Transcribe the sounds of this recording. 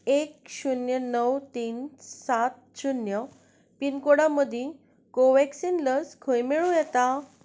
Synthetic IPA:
ekɕunjənəwt̪iːnsat̪̚ɕunjə | pinkoɽaməd̪ʱjĩ | koʋɛksinləskʰojmeɭũjɛt̪a

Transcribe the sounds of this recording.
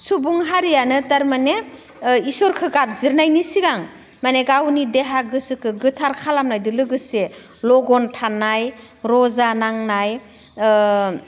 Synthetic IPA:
subuŋɦaɾijanɯtaɾmane | isɔɾkʰɯɡap̚ziɾnajnisiɡaŋ | maneɡawnideɦaɡɯsɯkʰɯɡɯtʰaɾkʰalamnajdɯlɯɡɯse | lɔɡɔntʰanaj | ɾɔzanaŋnaj

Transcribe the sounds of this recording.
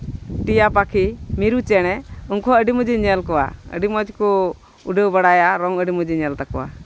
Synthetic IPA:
ʈijapakʰimiɾut͡ʃɛñɛuŋkʰɔəɖimud͡ʒiɲɛlkɔwa̰ə̰ɖimɔd͡ʒkɔ | uɖəwbəɽajaɾɔŋəɖimud͡ʒiɲɛlt̪akɔwa̰

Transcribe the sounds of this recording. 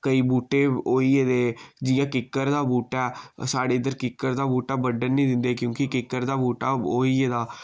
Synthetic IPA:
kəiːbuːʈeːoːiːeːd̪eːd͡ʒɪjãːkɪkːəɾd̪aːbuːʈɛːsaːɽeːɪd̪əɾkɪkːəɾd̪aːbuːʈaːbəɖənːĩːd̪ɪ̃nd̪eːkjõːkɪkɪkːəɾd̪aːbuːʈaːoːiːeːd̪aː

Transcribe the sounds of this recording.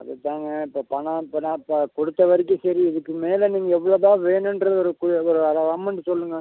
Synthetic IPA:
ɐ̰ðɐt̪ːaːŋɡɐɪpːoːpɐɳɐ̃ɪpːɐnaːpːkɔɽɯt̪ːɐʋɐɾɪk̬ːɯ̃sɐɾiɪðɯkːɯmeːlɐniːŋɡɐɛʋːɐɭɐðãːʋeːnɯndɾɐðɔɾɯkɔɾɯɐðɐʋɐmɐɳɖɯsɔlːɯŋɡɐ

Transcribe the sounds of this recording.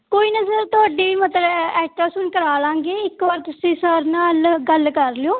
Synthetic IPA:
koːiːnəzəɾt̪ʊaːɖiːmət̪ləbɛːʈaːsʊnkəɾaːlãːŋɡeːɪkʋaːɾt̪ʊsĩːsəɾnaːlɡəlkəɾlɪjoː

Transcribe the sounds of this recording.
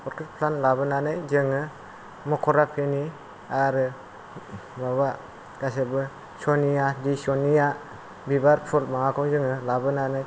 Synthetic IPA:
ɔɾkʰek̚pʰlanlabɯnanɯjzɯŋɯ | mɔkʰɔɾapʰeni | aɾɯ | maβa | ɡasebɯ | sɔnijadisɔnija | bibaɾpʰulmaŋakʰɔŋzɯŋɯlabɯnanɯj

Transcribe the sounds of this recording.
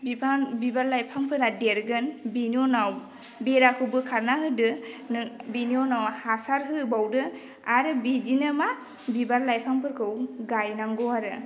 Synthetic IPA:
bipʰanbibaɾlajpʰampʰɯɾadeɾɡɯnbinionaw | beɾakʰɯbɯkʰaɾnaɦɯdɯnɯbinionawhasaɾɦɯbawdɯ | aɾɯbidinɯma | bibaɾlajpʰampʰɯɾkʰɯwɡajnaŋɡɔaɾɯ

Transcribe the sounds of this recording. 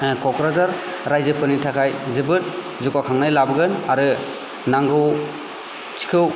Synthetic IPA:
kɔkɾazaɾ | ɾajzɯpʰɯnitʰakʰajzɯbɯt̚ | zukakʰaŋnajlabɯɡɯnaɾɯ | naŋɡɯw | t͡ʃi̥kʰɯw

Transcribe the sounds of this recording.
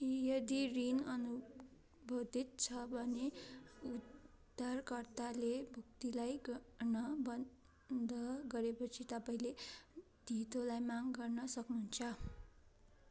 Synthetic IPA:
jʌd̪irinʌnu | bʱod̪it̪̚t͡sʰʌbʱʌneud̪ʱ | arkʌrt̪alebʱuk̚t̪ilajɡʌrnʌbʌn | d̪ʱʌɡʌɾepʌt͡sʰit̪ʌpaĩle | d̪̥ʱit̪olajmaŋɡʌrnʌsʌknuɦunt͡sʰʌ

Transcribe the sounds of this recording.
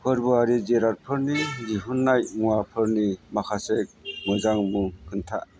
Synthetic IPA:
hʰɯɾbuaɾid͡ʒeɾaɾ̚pʰɯɾnid͡ʒiɦunːajŋuwapʰɯɾnimakʰasek̚mɯzaŋmɯŋkʰɯntʰa

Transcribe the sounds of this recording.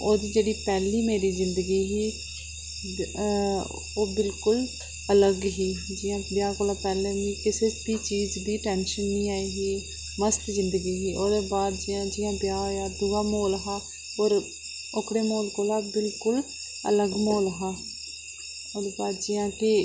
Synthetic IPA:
oːd̪iːd͡ʒeːɽiːpɛːliːmeːɾiːzɪnd̪əɡiːɦiː | oːbɪlkʊl | ələɡɦiːd͡ʒɪjãːbɪjaːkoːlaːpɛːlẽːnĩːkɪseːbiːt͡ʃiːzd̪iːʈɛːnʃənːĩːaːiɦiː | məst̪zɪnd̪əɡiːɦiːʔoːd̪eːbaːd̪d͡ʒɪjãːd͡ʒɪjãːbjaːjaːd̪ʊʋaːmoːlɦaː | oːɾ | okɽeːmoːlkoːlaːbɪlkʊl | ə̰ləɡmoːlɦaː | oːd̪eːbaːd̪d͡ʒɪjãːkɪ

